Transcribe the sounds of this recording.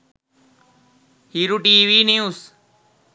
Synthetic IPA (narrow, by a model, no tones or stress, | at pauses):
hiːɾuʈiːʋiːnẽːus